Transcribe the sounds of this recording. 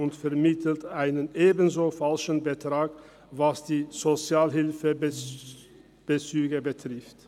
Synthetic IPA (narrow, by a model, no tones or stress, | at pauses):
ʊntfɛɐmɪtʰl̩tʔaɪnənʔeːbən̩zoːfalʃn̩bətʁ̥aːk | vasd̥iːzot͡sjaːlɦɪlfə | b̥ət͡syːɡəbətʁ̥ɪft